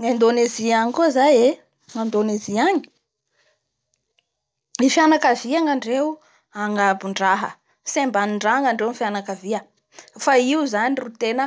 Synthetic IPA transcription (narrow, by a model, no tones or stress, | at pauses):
ŋand̪oneziaɲikuzaje | ŋand̪oneziaɲi̥ | ifjanakaviaŋaɳɖ͡ʐewu | aŋabuɳɖ͡ʐaɦə̰ | sembaniɳɖ͡ʐaŋaɳɖ͡ʐewunfjanakaviə | faiuzanirut̪enə